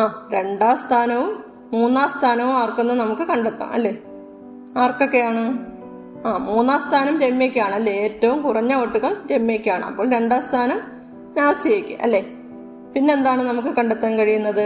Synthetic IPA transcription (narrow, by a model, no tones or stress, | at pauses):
aːɾe̞ɳɖaːst̪ʰaːnɐʋumː | uːnːaːst̪ʰaːnɐʋumaːrkːunːɨnɐmukːɨkɐɳɖet̪ːa̰mʔɐ̰lːe̞ː | aːrko̞kːe̞jaːɳɨ | aːmuːnːaːst̪ʰaːnɐmɾemːeːkʲːiaːɳɨɐlːeeːtːɐʋumkurɐɲːɐoʈːuɣɐɭɾemːeːkʲːaːɳɨɐ̰pːo̞ːɭɾe̞ɳɖaːst̪ʰaːnɐm | naːsijekʲːɨ̰ʔɐ̰lːe̞ | pinːe̞ːnd̪aːɳɨnɐmuk̬ːɨkɐɳɖet̪ːaːnkɐɻijunːɐðɨ